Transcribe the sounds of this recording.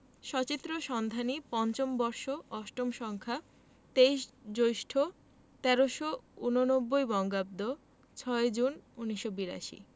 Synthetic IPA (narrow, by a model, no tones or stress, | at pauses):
ʃɔt͡ɕit̪ːɾoʃɔnd̪ʱanipɔnt͡ɕombɔɾʃoɔʃʈomʃɔŋkʰa | t̪eiʃd͡ʑojʃʈʰo | t̪ɛɾoʃounonobːojbɔŋɡab̚d̪o | t͡ɕʰɔed͡ʑununiʃobiɾa̰ʃḭ